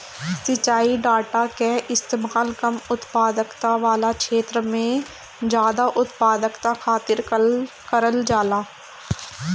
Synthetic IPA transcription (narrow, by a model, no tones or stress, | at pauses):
sɪt͡ʃːaːiɖaːʈakeʔɪst̪eːmaːlkəmʊt̪paːd̪əkt̪aʋaːlakʃeːt̪ɾəmẽ | d͡ʒjaːd̪aʔʊt̪paːd̪əkt̪akʰaːt̪ɪɾ | kəɾəld͡ʒaːlaː